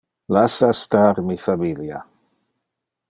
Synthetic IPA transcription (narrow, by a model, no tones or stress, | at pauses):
lasastaɾmifamilja̰